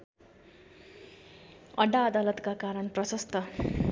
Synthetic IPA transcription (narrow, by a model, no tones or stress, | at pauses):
ʌɖaːd̪alʌt̪kakaɾʌnprʌsʌst̪ʌ